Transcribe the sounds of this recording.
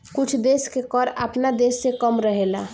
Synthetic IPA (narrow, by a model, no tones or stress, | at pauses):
kut͡ʃʰd̪eskekəɾəpnad̪esːekəmɾəɦela